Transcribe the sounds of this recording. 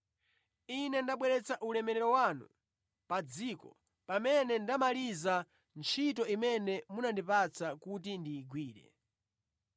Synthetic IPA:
inɛndaɓwɛɾɛt͡saʔulɛmɛɾɛɾɔwanṵ | pad͡ziːkɔ̰ | pamɛnɛndamaliza | nt͡ʃʰit̬ɔimɛnɛmunandipat͡sakutindiːɡwiːɾɛ̰

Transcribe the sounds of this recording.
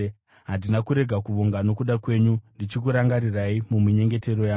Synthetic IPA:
ɦandinakuɾe̞ɡʱakuʋoŋɡano̞kuɗakwe̞ːɲundit͡ʃikuɾaŋɡaɾiraimumiɲe̞ŋɡe̞te̞ɾo̞jaː

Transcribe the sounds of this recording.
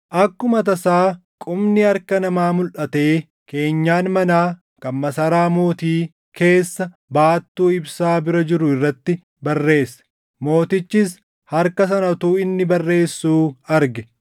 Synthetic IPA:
ʔɐkːʊmɐt̪̬ɐsaːkʼʊmnɪɐɾkɐnɐmaːmʊlʔɐt̪e̞ː | ke̞ːɲːaːnmɐnaː | kɐmmɐsɐɾaːmoːt̪iː | ke̞ːsːɐ | baːt̪ːuːɪbsaːbɪɾɐd͡ʒɪɾʊɪrːɐt̪ːɪ | bɐrːe̞ːsːɐ̥ | mo̞ːt̪ɪt͡ʃːɪs | hɐɾkɐs̬ɐnɐt̪uːɪnːɪbɐrːe̞ːsːuːɐɾɡɛ

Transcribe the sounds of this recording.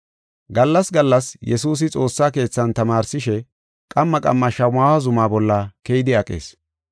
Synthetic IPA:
ɡɐlːɐsɡɐlːɐsjɛsuːs̬ɪt͡sʼo̞ːsːaːke̞ːt͡sːɐnt̪ɐmaːɾsɪʃɛ | kʼɐmːɐkʼɐ̰mːɐʃɐwmaːwɐzʊmaːbɔlːɐkejɪd̪ɪɐkʼḛːs

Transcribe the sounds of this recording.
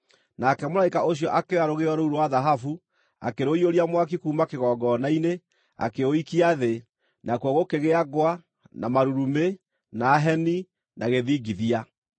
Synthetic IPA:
nakɛmolaikaʔoɕiɔʔakeaɾoɣeɔɾouɾowaðaɦafu | a̰keɾoioɾiamwak̬ikuːmakeɣɔɡɔnaine | a̰keoikiaðe | nakuɔɣokeɣeaɡwa | namaɾuɾume | naːɦɛni | nʔaɣeðiːɡiðia

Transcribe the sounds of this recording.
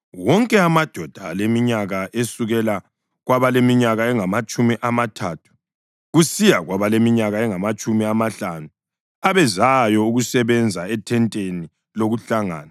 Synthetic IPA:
wɔŋkʼɛamad̥ʱɔd̥ʱalemiɲaɣaʔesuɣɛla | ɣwaβalemiɲaɣaɛŋamat͡ʃʼumiʔamatʰatʰu̥ | ɣusijaɣwaβalemiɲaɣaɛŋamat͡ʃʼumiamaɬanu | aβɛzajɔuɣusɛβɛnd͡zʱaɛtʰɛntʼeni | loɣuɬaŋa̰ːna

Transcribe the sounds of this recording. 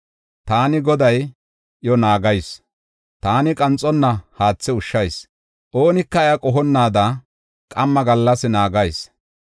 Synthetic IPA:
t̪aːnɪɡɔd̪ɐj | jɔnaːɡɐjs | t̪aːnɪkʼɐnt͡sʼːɔnːɐhaːt͡sːɪʊʃːɐjs | ʔo̞ːnɪkːɐɛjɐkʼɔɦɔnːaːd̪ɐ | kʼɐmːɐɡɐlːɐsɪnaːɡɐjs

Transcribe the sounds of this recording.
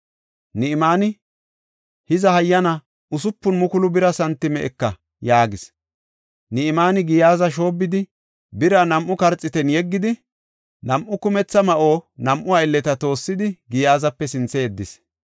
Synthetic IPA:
nɪɪmaːnɪ | hɪzɐhɐjːɐnɐ | ʔʊsʊpːʊnmʊkʊlʊbɪɾɐsɐnt̪ːɪmɛʔɛkːɐ | jaːɡɪs | nɪɪmaːnɪɡɪjaːzɐʃ̬o̞ːbːɪd̪ɪ | bɪɾɐnɐmʔʊkɐɾt͡sʼːɪt̪ɛnjɛɡːɪd̪ɪ | nɐmʔʊkʊmɛt͡sːɐmɐʔo̞ːnɐmʔʊɐjlːɛt̪ɐt̪o̞ːsːɪd̪ɪɡɪjaːzɐpːɛsɪnt͡sːɛɛd̪ːɪs

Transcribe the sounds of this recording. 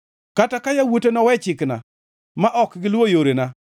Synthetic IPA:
katakajawotenɔwɛt͡ʃɪkna̰ | maʔɔkɡɪlwojoɾena

